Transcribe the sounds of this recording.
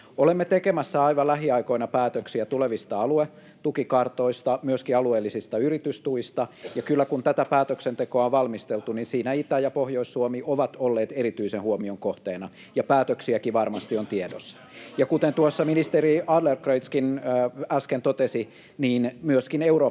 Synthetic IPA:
olemːet̪ekemæsːæɑiʋɑlæɦiɑikoinɑpæːt̪øksiæt̪uleʋist̪ɑɑlue | t̪ukikɑrt̪oist̪ɑmyøskiɑlueːlːisist̪ɑyrit̪yst̪uist̪ɑjɑkylːækunt̪æt̪æpæːt̪øksent̪ekoɑoʋʋɑlmist̪elt̪uninsiːnæit̪æjɑpohjoisːuomiʔoʋɑt̪olːeːt̪eɾit̪yisenhuomioŋkoht̪eːnɑ | jɑpæːt̪øksiækiʋɑrmɑst̪iont̪iedo̰sː | jɑkut̪ent̪uosːɑminist̪eriɑdlerkrøit̪skinːæskent̪ot̪esi | niːnmyøskineuroː

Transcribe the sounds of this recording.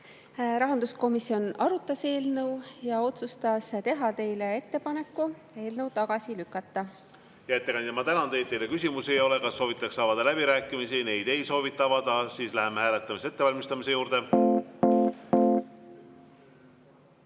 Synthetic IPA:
ɾɑɦɑnd̪usko̞misːio̞nɑɾut̪ˑːɑse̞ːlnɤwjɑo̞t̪sust̪ɑst̪e̞ɦɑt̪e̞jle̞e̞t̪ːe̞pɑne̞kːu | e̞ːlnəwt̪ɑɡ̥ɑsilykːˑɑt̪ˑːɑ | jɑet̪ːekɑnemɑt̪ænɑnd̪̥e̞jt̪̚ejle̞kysʲimusiejo̞le̞kɑsːo̞ːvit̪ːˑɑksɑvɑd̪̥ɑlæb̥iɾæːkːˑimisine̞jd̪̥e̞jso̞ːvit̪ːˑɑvɑd̪̥ɑsiːslæɦemehæːlet̪ːˑɑmise̞t̪ːe̞vɑlʲmist̪ɑmise̞juːɾd̪̥e̞

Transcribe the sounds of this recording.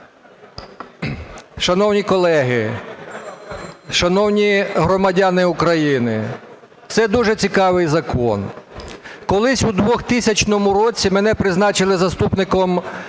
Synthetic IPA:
ʃɐnɔwnʲikɔlˠɛɦɪ | ʃɐnɔwnʲiɦɾɔmɐdʲanɪukɾɐjinɪ | t̪sɛd̪uʒɛt͡sʲikɑʋɪjzɐkɔ̰n | kɔlˠɪsʲud̪ʋɔxt̪isʲɐt͡ʃnɔmʊɾɔt͡sʲːimenɛpɾɪznɑt͡ʃɪlˠɪzɐst̪upnɪkɔm

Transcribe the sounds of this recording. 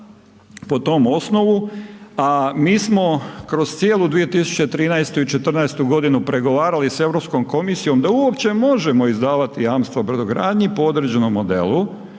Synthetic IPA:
po̞t̪o̞mo̞snoʋuamiːsmo̞kɾo̞zt̪sijeːlˠud̪ʋije̞t̪isu̥t͡ɕet̪ɾiːnajst̪uit͡ʃe̞t̪r̩nɛest̪uɡo̞d̪inupɾe̞ɡo̞ʋaːɾalise̞ʋɾo̞psko̞mkomisijo̞md̪auopt͡ɕe̞mo̞ʒe̞mo̞izd̪aːʋat̪ijaːmst̪ʋabɾ̩d̪oɡɾa̰ːd̪ɲipoo̞d̪ɾed͡ʑe̞no̞mːod̪ḛlu

